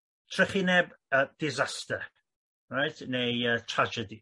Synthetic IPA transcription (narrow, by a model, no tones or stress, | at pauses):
tʰrɪχɪnɛbəd̥ɪzastə | rajtʰnejətʰrad͡ʒədi